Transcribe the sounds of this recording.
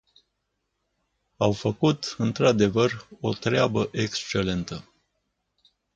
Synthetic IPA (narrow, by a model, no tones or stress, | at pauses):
awfəkut̪ɨnt̪ɾad̪e̞vəro̞t̪ɾeabəʔe̞kst͡ʃe̞le̞nt̪ə